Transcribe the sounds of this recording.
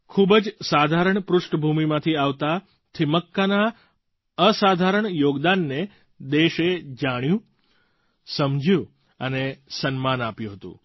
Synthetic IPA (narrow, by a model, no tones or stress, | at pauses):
kʰubəd͡ʒsad̪ʱaɾəɳpɾʊʂʈəbʱumimãt̪ʰiaʋt̪a | t̪ʰiməkːana | əsad̪ʱaɾəɳjoɡd̪anːe | d̪eʃed͡ʒaɽ̃jũ | səmd͡ʒʱjũ | ənesənmanapjũɦət̪ṵ̃